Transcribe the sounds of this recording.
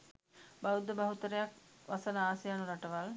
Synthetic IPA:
bɐwud̪ɐbɐɦut̪ːɐɾɐjak̚ʋɐsɐnɐaːsjaːnuɾɐʈːɐʋal

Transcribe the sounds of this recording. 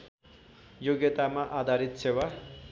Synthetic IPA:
joɡjet̪amaʔad̪ʱaɾit̪sewa

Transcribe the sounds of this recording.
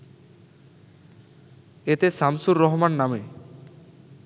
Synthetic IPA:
et̪esamsuɾːɔɦmanːame

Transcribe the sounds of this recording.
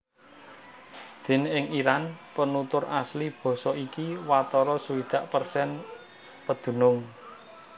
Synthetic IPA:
d̪̥e̤nɪŋiɾanpənut̪ʊraslib̥ɔ̤sɔikiwat̪ɔɾɔsuwid̪̥ä̤ʔpərsɛn | pəd̪̥ṳnʊŋ

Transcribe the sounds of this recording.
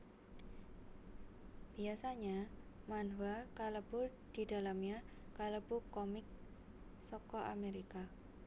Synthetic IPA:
b̥iasaɲamanvakaləb̥ud̪̥i̤d̪̥a̤lamɲa | kaləb̥ukɔmɪk̚ | sɔkɔʔa̰meɾika

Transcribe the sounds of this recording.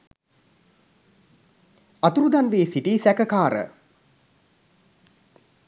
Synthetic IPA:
at̪uɾud̪anʋeːsiʈiːsækəkaːɾə̰

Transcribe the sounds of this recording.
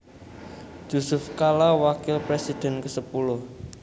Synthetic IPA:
d͡ʒ̥usʊfkalawakɪlpɾesid̥ɛ̤nkəsəpulʊh

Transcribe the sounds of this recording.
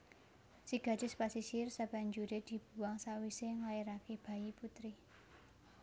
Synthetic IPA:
siɡ̥ä̤̥d͡ʒ̥ɪspasisirsab̥a̤ɲd͡ʒuɾed̪̥i̤b̥ṳwaŋsawiseŋlaeɾakeb̥a̤jiput̪ɾi

